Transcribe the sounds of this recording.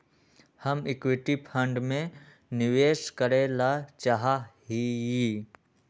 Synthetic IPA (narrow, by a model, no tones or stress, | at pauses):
həmɪkwɪʈipʰə̃ɳɖmẽ | nɪʋeːʃkəɾelat͡ʃaɦaɦijiː